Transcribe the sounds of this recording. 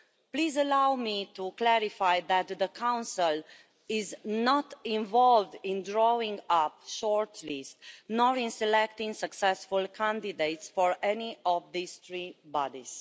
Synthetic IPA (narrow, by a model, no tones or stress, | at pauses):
pliːzəlawmituklɛɹifajðæt̪ðəkʰãw̃nsəl | ɪznɔtĩɱvɔlvdĩndɹoĩŋʌpʃɔɹtʰlistnɔɹĩnsɛlɛk̚tĩŋsəksɛsfulkʰæ̃ndideɪtsfɔɹɛniɔvðiz̥θɹibɔdḭz̥